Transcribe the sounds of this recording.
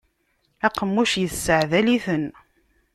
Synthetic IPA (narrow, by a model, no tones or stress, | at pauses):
æqəmːuʃjəθsːəʕðæliθən